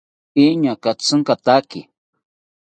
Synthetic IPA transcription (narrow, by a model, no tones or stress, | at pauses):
iɲakat͡sɨŋkat̪aki